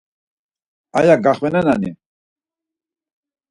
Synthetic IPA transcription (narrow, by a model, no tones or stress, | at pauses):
ajaɡaχwɛnɛnanḭ